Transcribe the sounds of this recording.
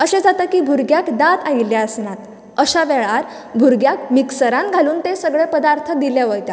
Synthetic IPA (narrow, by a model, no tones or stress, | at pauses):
əɕed͡zat̪əkiːbʱuɾɡjakd̪at̪ailjaəsnat̪ | əɕaʋɛɭaɾ | bʱuɾɡjakmiksəɾãnɡʱaluːnt̪esəɡɭepəd̪aɾt̪ʰəd̪iljaʋəjt̪a